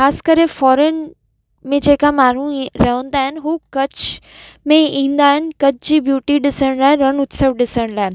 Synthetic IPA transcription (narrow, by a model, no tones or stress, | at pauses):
kaːskɐɾefɔːɾən | mẽd͡ʑeːkamaːɾ̤ũɾɐɦə̃nd̪aːɦɪnɦuːkɐt͡ɕ | mẽĩːn̆d̪aːɦɪnɪkɐt͡ɕd͡ʑiːbjuːʈiɗɪsəɽ̃laːeɾɐñʊt̪səʋɗɪsəɽ̃laːɦɪ